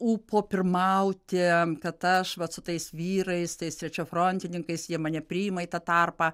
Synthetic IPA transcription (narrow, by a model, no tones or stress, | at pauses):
uːpoːpʲɪrmɐʊt̪ʲekɐt̪ɐʃʋɐtsʊt̪ɐɪsʋʲiːɾɐɪst̪ɐɪst̪ʲɾʲɛt͡ʃʲoːfɾonʲt̪ʲɪnʲɪŋkɐɪsjiɛmɐnʲɛpʲɾʲiːɪmɐiːt̪ɐt̪ɐrpɐː